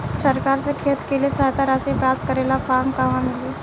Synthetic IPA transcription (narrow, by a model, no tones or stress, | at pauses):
səɾkaːɾsekʰeːt̪keliesaːjt̪aɾasepɾaːp̚t̪̚kəɾeːlapʰaːɾmkaʋãmɪle